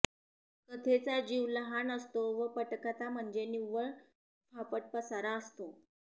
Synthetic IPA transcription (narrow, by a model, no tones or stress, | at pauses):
kət̪ʰet͡sad͡ʑiʋləɦanəst̪oʋəpəʈkat͡sam̤əɳd͡zeniʋəɭ | fʰapəʈ̚pəsaɾaəst̪o